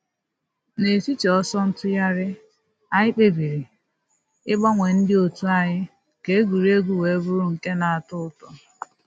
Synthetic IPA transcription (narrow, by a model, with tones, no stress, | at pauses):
ne˨si˦t͡ʃɔ˦sɔ˦n̩˦tʊ˦ja˦ɾɪ˦ | a˨ɲɪ˦k͡pe˨bi˨ɾi˨ | ɪ˦ɡ͡ba˦ŋʷe˨n̩˦dɪ˦o˨tu˦a˨ɲɪ˦ | ke˨e˦ɡu˨ɾi˦e˦ɡu˦we˨˦ɡu˦ɾu˦ŋ̩˨ke˦na˨a˨tʊ˦ʊ˦tɔ˨